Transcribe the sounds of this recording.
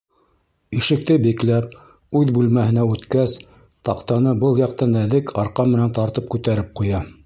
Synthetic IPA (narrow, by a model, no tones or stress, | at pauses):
iʃɘ̆k̚t̪ɘbiklæp̚ | ʉðbʉlmæhɘ̆næʉt̪kæs | t̪ɑqt̪ɑnɤbɤlˠjɑqt̪ɑnæðɘkʰɑɾqɑmːɘ̆nænt̪ɑɾt̪ɤp̚kʉt̪æɾɘp̚qujɑ